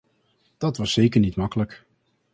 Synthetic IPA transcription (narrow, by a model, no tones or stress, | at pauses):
d̥ɑtʋɑsːejkəɹnitmɑkələk